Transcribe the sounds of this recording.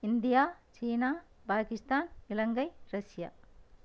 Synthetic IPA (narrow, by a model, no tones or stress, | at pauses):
indijat͡ʃinapakistanilɐŋɡɐjɾɐsija̰